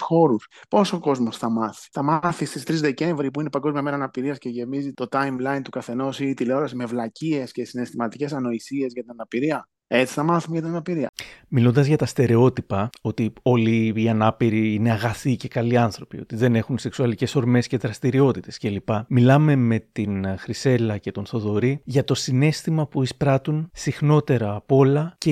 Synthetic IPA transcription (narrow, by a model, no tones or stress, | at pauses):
xo̞ɾuspo̞so̞ko̞zmo̞sθɐmɐθi̥θɐmɐθist̪ist̪ɾizðe̞ce̞ɱvɾipuinepɐŋɡo̞zmiɐmenɐnɐpiɾiɐsce̞ʝe̞mizit̪o̞t̪ɐjmlɐjint̪ukɐθe̞no̞sit̪ileo̞ɾɐsime̞vlɐcie̞sce̞sinest̪imɐt̪ice̞sɐno̞isie̞zʝɐt̪inɐnɐpiɾiɐ | e̞t͡si̥θɐmɐθumʝɐt̪inɐnɐpiɾiɐ̰milond̪ɐzʝɐt̪ɐst̪e̞ɾe̞o̞t̪ipɐo̞t̪io̞liːɐnɐpiɾiine̞ɐɣɐθice̞kɐliɐnθɾo̞pḭo̞̰t̪iðe̞ne̞xunse̞ksuɐlice̞so̞ɾme̞sce̞ðɾɐst̪iɾio̞t̪it̪e̞sce̞lipɐmilɐme̞me̞t̪inxɾise̞lɐce̞t̪o̞nθo̞ðo̞ɾiʝɐt̪o̞sine̞st̪imɐpuispɾɐt̪unsixno̞t̪e̞ɾɐːpo̞lɐce